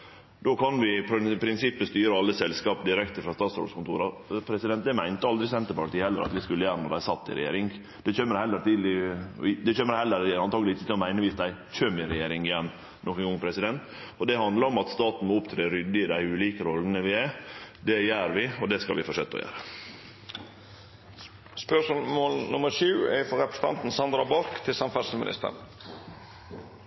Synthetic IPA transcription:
d̪oːkʰɑnʋɪpʰpʰɾɪnsɪpːəst̪yːɾəɑlːəsɛlskɑːpd̪ɪɾɛkt̪əɾfɾɑst̪ɑːt̪sɾɔ̰ːɖ̪skʊnt̪ṵːɾɑpʰɾɛsɪd̪ɛnt̪̚d̪ɛmæɪnt̪əɑld̪ɾɪsɛnt̪əɾpɑʈ̪iːhɛlːə̰ɾɑ̰t̪ʋɪskʉləjæːɾənɔd̪æɪsɑt̪ːɪ̰ɾɛ̰jḛːɾɪŋ | d̪ɛçʰøːmːəɾhɛlːəɾt̪iːd̪lɪ̰ɪd̪ɛçøːməɾhɛlːəɾɑnt̪ʰɑːɡəlɪɪçət̪ʰɪlɔmæɪnəʋiːsd̪æɪc͡çøːmɪɾɛjeːɾɪŋɪjɛnː | nɔkəŋʊŋːpʰɾɛsɪd̪ɛnt̪ | ɔd̪ɛhɑnd̪ləɾɔmɑt̪st̪ɑːt̪n̩mɔʊpt̪ʰɾeːɾʏd̪ːəɪd̪æɪʉːliːkəɾɔlːənəʋɪæd̪ɛjæːɾʋɪɔd̪ɛskɑlʋɪfɔʂø̰t̪ːɔ̰jæ̰ːɾə | spœʂmoːlnʊməɾʂʉːɛfɔɾɛpɾəsə̥n̩ɑ̰nt̪n̩sɑnd̪ɾɑbɑɾkt̪ʰɪlsɑnfæsəmɪ̰nɪ̰st̪ə̰ɳ

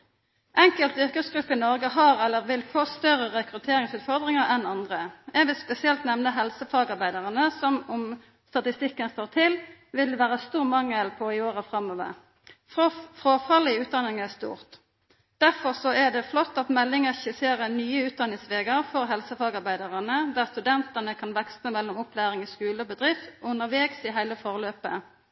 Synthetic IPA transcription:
ʔɛŋkəlt̪ʏʁkəsɡʁʉpːəɪnɔʁɡəɦɑʁɛlːəʁʋɪlfoːst̪œɾəʁɛkʁʉt̪ʰeːɾɪŋsʉːt̪fɔʁd̪ʁɪŋəʁɛnɑnd̪ʁəɛɡʋɪlspɛsɪɛlt̪nɛʋnəɦɛlsəfɑːɡɑʁbæɪd̪əʁənəsɔmʊm | st̪ɑt̪ɪst̪ɪkːənfoːʁt̪ʰɪlʋɪlʋæːʁəst̪uːʁmɑŋːəlpʰɔɪoːʁəfʁɑmːoːʋə̰ʁ | fʁoːfɑləɪʉːt̪̚d̪ɑnɪŋɛst̪ṵːʁt̪ | d̪̥æʁfɔʁsɔæʁd̪ɛflɔt̪ːɑt̪mɛlːɪŋəçɪseːʁənyːəʉːt̪̚d̪ɑnɪŋsʋeːɡəʁfɔʁɦɛlsəfɑːɡɑʁbæɪd̪ɑʁənəd̪æːʁst̪ʉd̪ɛnt̪ənəkʰɑnʋɛkst̪əmɛlːɔmʊplæːʁɪŋɔskʉːləɔbəd̪ʁɪft̪ʔʊnːəʁʋeːɡsɪɦæɪləfɔʁəløːpə̰

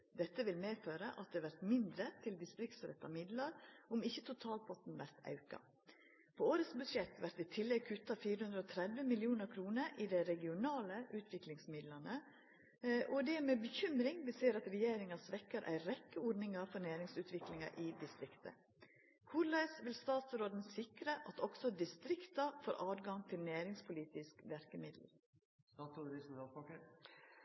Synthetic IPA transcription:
d̪ɛt̪ːəʋɪlmeːføːɾəʔɑt̪̚d̪ɛːʋæɾt̪mɪnd̪ɾət̪ʰɪld̪ɪst̪ɾɪkt̪sɾɛ̰t̪ːɑmɪd̪lɑɾʔʊmɪçːət̪ʰʊt̪ʰɑːlpʰɔt̪n̩ʋæɾt̪ɑ̰ʉkɑ̰ | pʰooːɾət̪sbʉʂɛt̪ʋæɾt̪ʋɪt̪ʰɪlːɛɡ̚kʰʉt̪ːɑfiːɾəhʉnd̪ɾəɔːt̪ʰɾɛd̪ʋəmɪlɪuːnəɾkʰɾuːnəɾʔɪd̪ɛɾɛɡɪʊnɑːləʔʉːt̪ʰʋɪklɪŋsmɪd̪lɑnə | ʔɔd̪ɛmeːbəçʏmɾɪŋʋɪseːɾɑt̪ɾɛjeːɾɪŋɑsʋɛkːəɾʔæ̰ɪɾɛkːəɔːɖnɪŋɑfɔɾnæːɾɪŋsʉːt̪ʋɪklɪŋɑʔɪd̪ɪst̪ɾɪkt̪ə̰ | kʰʊɾlæɪsʋɪlst̪ɑːt̪sɾoːd̪n̩sɪkɾəʔɑt̪ʰɔɡsɔd̪ɪst̪ɾɪkt̪ɑfoːɾʔɑːd̪ɡɑŋt̪ʰɪlnæːɾɪŋspʰʊliːt̪ɪskʋæɾkəmɪd̪l̩ | ɑːt̪ʰud̪ɾɪsnɑpɑkə

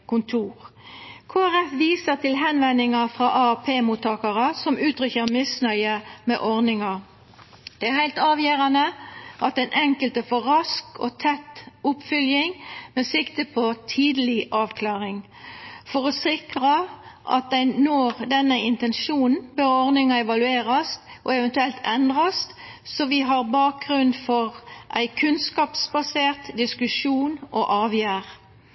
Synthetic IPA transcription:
kʊnt̪ʰuːʁkʰoːæʁɛfʋiːsəʁt̪ʰɪlɦɛnʋɛnːɪŋɑfʁɑːʔɑæpʰeːmuːt̪ʰːɑːkɑʁəsɔmʉːt̪ʁʏçəʁmɪsnœʏəmḛʔɔʁnɪŋɑ | d̪̥ɛæhæɪlt̪ɑːʋjæːʁɑnəʔɑt̪ɛɪnʔɛŋkəlt̪əfɔʁɑskɔ̰t̪ʰɛt̪ːʊpːfʏljɪŋmesɪkt̪əpʰɔt̪ʰiːd̪əlɪʔɑːʋkʰlɑːʁɪŋ | fɔʁɔsɪkʁɑʔɑ̰t̪̚d̪æɪnoːʁd̪ɛnːəɪnt̪ɛnʃuːnn̩bøːʁɔʁnɪŋɑɛʋɑlʉeːʁɑst̪ʔɔɛʋɛnt̪ʉɛlt̪ɛnd̪ʁɑst̪ | sɔʋɪɦɑʁbɑːk̚ɡʁʉnfɔʁʔæɪkʰʉnskɑːpsbɑseːʁt̪d̪ɪskʉʂuːnoʔɑːʋjæːʁ

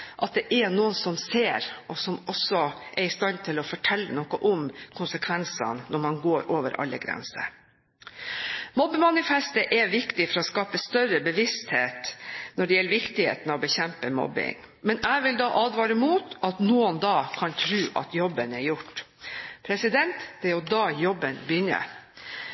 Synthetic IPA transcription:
ʔɑt̪̚d̪ɛʔɛnuːənsɔmseːɾɔsɔmɔsːɔʔɛɾɪst̪ɑnt̪ʰɪlɔfɔʈʰɛlːənɔkɔʔʊmkʰʊnsəkʰʋɛnsɑ̰nnɔɾmɑnɡoːɾʔoːʋə̰ɾʔɑ̰lːə̰ɡɾɛ̰nsə̰ɾ | mɔbːəmɑnɪfɛst̪əʔɛʋɪkt̪ɪfɔɾɔskɑːpəst̪œɾəbəʋɪst̪heːt̪nɔɖɛjɛlːəʋɪkt̪ɪhḛːt̪nɑʋɔbəçɛmpəmɔ̰bɪ̰ŋ | mɛnæɪʋɪld̪ɑːʔɑːd̪ʋɑːɾəmuːt̪ɑt̪nuːənd̪ɑːkʰɑnt̪ʰɾʉːʔɑ̰t̪jɔbːənɛɾjʊʈː | pʰɾɛsɪd̪ɛnt̪d̪̥ɛɾjʊd̪ɑːjɔbːənbjʏnə̰

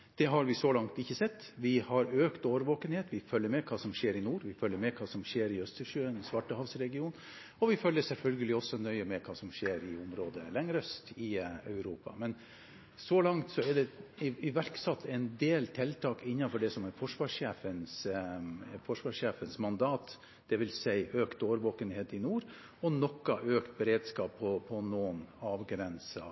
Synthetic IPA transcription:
d̪̥ɛɦɑɾʋɪsɔlɑŋt̪ɪçːəsɛt̪ːʋɪhɑɾøːkt̪oːʋəɾʋoːkənheːt̪ʋɪfœlːəɾmɛkʰɑːsɔmʂeːɾɪnuːɾʋɪfœlːəɾmɛkʰɑːsɔmʂeːɾɪœst̪əʂøːənsʋɑʈːəhɑʋsɾɛɡɪuːn | ɔʋɪfœlːəsɛlfœlɡəlɪɔsːɔnœʏəmɛkʰɑːsɔmʂeːɾɪʊmɾoːd̪əlɛŋːɾœst̪ɪœ̰ʉɾuːpɑ̰mɛn | sɔlɑŋt̪sɔɛɖɛɪɪʋæɾksɑt̪ʰːɛɪnd̪eːlt̪ʰɛlt̪ʰɑːkɪnːɑfɔɖɛsɔmɛfɔʂʋɑːʂeːfəns | fɔʂʋɑːʂeːfənsmɑnd̪ɑːt̪ | d̪̥ɛʋɪlsæɪʔøːkt̪oːʋəɾʋoːkənheːt̪ɪnuːɾ | ɔnɔkːɑʔøːkt̪̚bɛɾeːd̪skɑːpʰːɔpʰɔnoːnɑːʋɡɾɛnsɑ

